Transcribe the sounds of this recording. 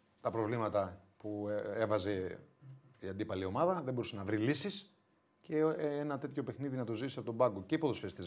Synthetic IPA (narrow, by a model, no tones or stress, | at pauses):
t̪ɐpɾo̞vlimɐt̪ɐpuevɐze̞ | iɐnd̪ipɐlio̞mɐðɐðebo̞ɾusenɐvɾilisis | ce̞enɐt̪e̞t̪ço̞pe̞xniðinɐt̪o̞zit̪sɐpo̞t̪obɐɡo̞ceipoðosfest̪iz